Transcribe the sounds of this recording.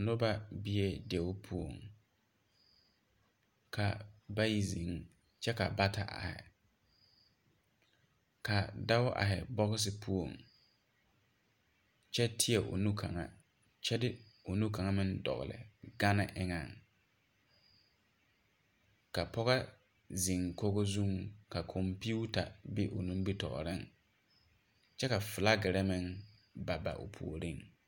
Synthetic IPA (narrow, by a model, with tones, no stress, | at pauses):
nʊ˦ba˦bɪ˦e˦de˨ʊ˦pʰu˦o̰˨ŋ | kʰa˨ba˦ji˦zi˨˦ŋ | t͡ʃɛ˦ka˨ba˦ta˦ʔa̰˨hɪ̰˨ | ka˨da˦ʊ˦ʔa̰˨ɦɛ̰˨bɔ˦ɣɪ˦s̬ɪ˦pʰu˦o˨ŋ | t͡ʃɛ˦tʰɪ˦ɛ˨ʔʊ̰˨nu˦kʰa̰˨ŋa̰˨ | t͡ʃɛ˦dɪ˦o˨nu˦ka˨ŋa˦mɪ̃˦ndɔ̰˨ɣ̰lɪ̰˨ɡa˦nɪ˦˨ʔɪ˦ŋa˨ŋ | ka˨pɔ˦ɣa˦ | zi˨ŋko˦ɡo˦zu˦ŋka˨kʰɔ˨mpi˦u˦ta˨bɪ˦ʔo˨nũ˦m˦bi˦tɔ̰˨ʔɾɪ˦ŋ | t͡ʃɛ˦ka˨fɪ˨la˦ɡɪ˨ɾɛ˦mɪ̃˦ŋba˨ba̰˨ʔo̰˨pʰṵ˨o˨ɾi˦ŋ